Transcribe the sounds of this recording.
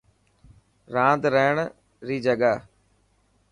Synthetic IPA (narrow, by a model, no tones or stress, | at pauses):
ɾãːd̪ɾəɦəɳ̃ | ɾiːd͡ʒəɠa